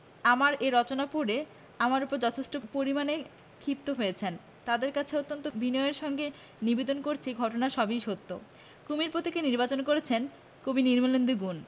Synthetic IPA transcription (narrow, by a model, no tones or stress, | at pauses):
amaɾeɾɔt͡ɕonapuɾe | amaɾupoɾd͡ʑɔt̪ʰeʃʈopoɾimane | kʰip̚t̪oɦojet͡ɕʰen | t̪ad̪eɾkat͡ɕʰeot̪ːont̪obinɔeɾʃɔŋɡe | nibed̪onkoɾt͡ɕʰiɡʱɔʈonaʃɔbiʃot̪ːo | kumiɾpot̪ekeniɾbat͡ɕonkoɾet͡ɕʰen | kobiniɾmolond̪uɡun